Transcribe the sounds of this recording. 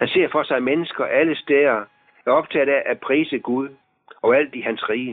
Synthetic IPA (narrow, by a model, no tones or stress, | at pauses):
hænse̝ɐfɒ̽sɑ̈ɪmenəsɡ̥ɐʔæləsd̥eɐ | æɐɒ̽b̥̚t͡sʰɛ̰ːðæʔæpʰʁiːsəɡ̥uð̞ˠ | ɒ̽ʊæl̰d̥ihænsʁiː